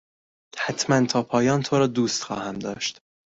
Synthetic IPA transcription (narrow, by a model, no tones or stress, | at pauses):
hæt̪ʰmænt̪ʰɒːpʰɒːjɒːnt̪ʰoɾɒːd̪uːst̪xɒ̰ːhæmd̪ɒ̰ːʃt̪